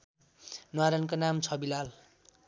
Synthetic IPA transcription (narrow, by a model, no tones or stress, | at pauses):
nwaɾʌnkonamt͡sʰʌbilal